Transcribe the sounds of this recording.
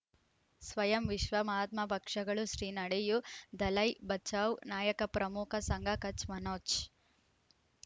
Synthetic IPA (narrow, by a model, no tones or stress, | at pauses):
sʋɐjɐmʋiʃʋɐmaːt̪̚mɐpɐkʂɐɡɐɭuʃɾiːnɐɽejud̪ɐlɐjbɐt͡ʃaːwnaːjɐkɐpɾɐmukʰɐsɐŋɡʱɐkɐt͡ʃmɐnoːt͡ʃ